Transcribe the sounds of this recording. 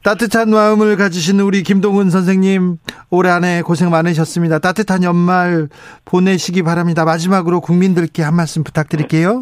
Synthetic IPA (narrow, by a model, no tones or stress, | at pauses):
t͈atʰɯtʰanmaɯmɯɭkad͡ʑiɕ̬ʰinɯuɾikimdoŋɯns̬ʰʌnsʰe̞ŋɲim | oɾe̞ane̞kosʰe̞ŋmanɯɕ̬ʰʌs͈ɯmɲidat͈atʰɯtʰanjʌnmaɭpone̞ɕʰiɡipaɾamɲidamad͡ʑimaɡɯɾokuŋmindɯɭk͈e̞hanmaɭs͈ɯmpu̥tʰak̚t͈ɯɾik͈e̞jo